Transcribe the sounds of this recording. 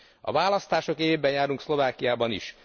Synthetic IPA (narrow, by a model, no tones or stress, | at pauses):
ɒ̰vaːlɒst̪aːʃo̞kebːɛnjaːɾuŋkslo̞vaːkijaːbɒnḭʃ